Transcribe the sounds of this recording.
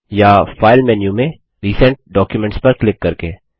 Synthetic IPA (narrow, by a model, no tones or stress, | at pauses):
jafaːɪlmɛːnjumẽ | ɾiːsə̃ɳʈ̚ɖɔːkjumɛ̃ɳʈspɐɾklɪkːɐɾkeː